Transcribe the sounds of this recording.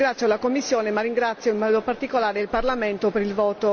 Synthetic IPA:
ɡɾat̪sjolakomːisːjoːnemarːiŋɡɾat̪sːjoimmɔːd̪opart̪ikolaːɾeilparlament̪opeɾilvɔːt̪o

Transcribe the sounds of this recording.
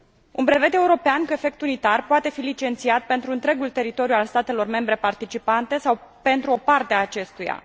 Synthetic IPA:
unpɾe̞ve̞d̪e̞uɾo̞peankue̞fe̞k̚t̪unit̪arpoat̪e̞filit͡ʃe̞nt̪siat̪̚pe̞nt̪ɾuɨnt̪ɾe̞ɡult̪e̞ɾit̪o̞ɾjualst̪at̪e̞lo̞rme̞mbɾe̞part̪it͡ʃipant̪e̞sawpe̞nt̪ɾuo̞part̪eaːt͡ʃe̞st̪uja̰

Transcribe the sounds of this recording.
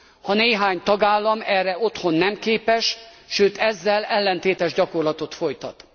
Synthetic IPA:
hɒneːɦaːɲt̪ɒɡaːlːɒmɛrːɛo̞t̪ho̞nːɛmkeːpɛʃʃøːt̪ɛzːɛlɛlːɛnt̪eːt̪ɛʒɟɒko̞rlɒt̪o̞t̪fo̞jt̪ɒt̪

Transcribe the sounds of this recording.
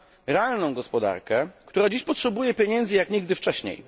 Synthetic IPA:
ɾɛalnɔ̃w̃ɡɔspɔd̪a̰ɾkɛkt̪uɾad͡ʑiɕpɔtʂɛbujɛpʲjeɲɛnd̪zɘjakɲiɡd̪ɘft͡ʂɛɕɲḛj

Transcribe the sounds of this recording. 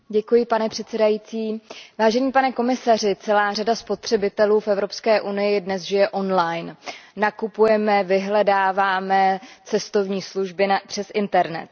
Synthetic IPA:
ɟɛkujɪpanɛpr̝̥ɛt̪sɛdajit͡siːvaːʒɛɲiːpanɛko̞mɪsar̝ɪt͡sɛlaːradaspo̞t̪r̥ɛbɪt̪ɛluːfɛvɾo̞pskɛːʔunɪjɪdnɛzʒɪjɛʔo̞nlajnːakupujɛmɛvɪɦlɛdaːvaːmɛt͡sɛst̪o̞vɲiːsluʒbɪpr̥ɛsʔɪnt̪ɛɾnɛ̰t̪̚

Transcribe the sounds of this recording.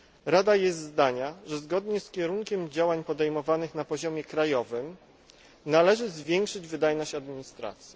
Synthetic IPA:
ɾad̪ajɛst̪zd̪aɲaʐɛzɡɔd̪ɲɛskʲɛɾuŋkʲɛmd͡ʑawaɲpɔd̪ɛjmɔvanɘxnapɔʑɔmʲjɛkɾajɔvɘm | nalɛʐɘzvʲjɛŋkʂɘd͡ʑvɘd̪ajnɔɕt͡ɕad̪mʲiɲist̪ɾa̰t̪sʲji

